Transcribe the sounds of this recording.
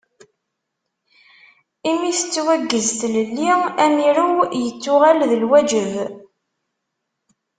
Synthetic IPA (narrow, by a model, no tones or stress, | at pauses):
imiθə̥t͡sːwæɡːəzt̪ləlːiæmiɾujət͡sːʊʁælðəlwæd͡ʒəv